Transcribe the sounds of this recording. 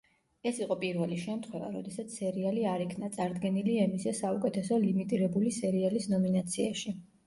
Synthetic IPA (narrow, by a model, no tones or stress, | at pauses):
ɛsiqʼɔpʼiɾvɛliʃɛmt̪ʰχwɛva̰ɾɔ̰d̪ɛsat̪sʰsɛɾialiaɾikʰnat̪sʼaɾd̪ɡɛniliɛmisɛsaukʼɛt̪ʰɛsɔlimit̪ʼiɾɛbulisɛɾialisnɔminat̪sʰiaʃi